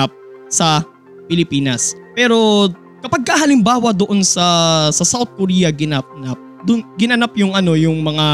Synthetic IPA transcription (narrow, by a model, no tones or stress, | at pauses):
ap̚ | sɐ | pɪlɪpiːnɐspɛːɾo̞ | kɐpɐɡ̚kːahɐlɪmbaːwɐd̪oʔo̞nsɐsɐsawt̪̚koɾiːjɐɡɪnɐp̚nap̚ | d̪ʊnɡɪnɐnap̚jʊŋʔɐno̞jʊŋmɐŋa